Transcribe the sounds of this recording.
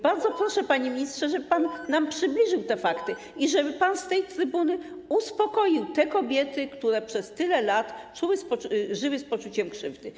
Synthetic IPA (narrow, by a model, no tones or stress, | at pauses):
baɾd̪zɔpɾɔʂɛpaɲemʲiɲistʂɛʐɛbpanːampʂɘblʲiʐɘwt̪ɛfakt̪ɘ | iʐɛbɘpanst̪ɛjt̪ɾɘbunɘuspɔkɔjiwt̪ɛkɔbʲjɛt̪ɘkt̪uɾɛpʂɛst̪ɘlɛlat̪t͡ʂuwɘspɔʐɘwɘspɔt͡ʂut͡ɕɛmkʂɘvd̪ɘ